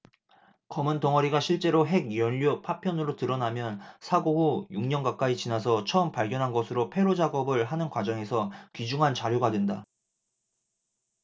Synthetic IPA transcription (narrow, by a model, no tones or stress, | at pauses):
kʌmɯntʌŋʌɾiɡaɕʰiɭt͡ɕ͈e̞ɾoɦe̞ɡ̚jʌʎːopʰapʰjʌnɯɾotɯɾʌnamjʌnsʰaɡoɦojuŋɲʌnɡak͈ait͡ɕinas̬ʰʌt͡ɕʰʌɯmpaɭɡjʌnɦanɡʌsʰɯɾopʰe̞ɾod͡ʑaɡʌbɯɭɦanɯnkwad͡ʑʌŋe̞sʰʌkid͡ʑuŋɦant͡ɕaɾjoɡadwenda